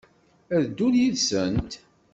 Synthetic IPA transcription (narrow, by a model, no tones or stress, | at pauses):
æðd̪ːuljiðsənt̪